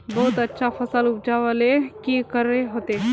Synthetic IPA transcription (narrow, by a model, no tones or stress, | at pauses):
bəɦut̪ətːɕʰafəsalup̚d͡ʒaʋəlekikəɾeɦot̪e